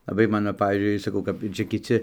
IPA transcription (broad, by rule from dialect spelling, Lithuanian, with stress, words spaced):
lˠɐˈbɐɪ ˈmɑːnoː ˈpɑːʋʲiːzʲd͡ʒʲʊɪ sɐˈkɐʊ kɐp ˈt͡ʃʲɛ kʲɪˈt͡sʲɪ